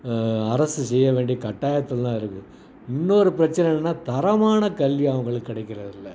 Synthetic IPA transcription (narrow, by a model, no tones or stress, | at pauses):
ɐɾɐsɯsɛjːɐʋeːɳɖikɐʈːaːjɐt̪ːɯlt̪ãːɪɾɯkːɯ | ɪnːoɾɯpɪɾɐt͡ʃːɐnɛnːnːaːt̪ɐɾɐmaːnɐkɐlʋiɐʋɐŋɡɐɭɯkːɪɽɐɪkːɪɾɐðɪlːɐ